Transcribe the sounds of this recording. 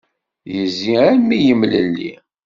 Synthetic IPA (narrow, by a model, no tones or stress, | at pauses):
jəziæɾmijəmləlːḭ